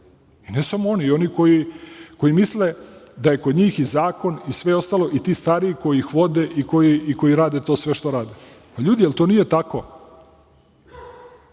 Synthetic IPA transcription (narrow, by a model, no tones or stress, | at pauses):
inesamoonio̞niko̞jiko̞jimisled̪aje̞ko̞d̪ɲiːxizaːko̞nisʋe̞o̞st̪alˠo̞ʔit̪iːst̪aɾiiko̞jiixʋo̞d̪eʔiko̞jiiko̞jiɾaːd̪et̪o̞ːsʋe̞ʃt̪o̞ɾaːd̪e | paʎuːd̪ijelt̪onije̞t̪ako̞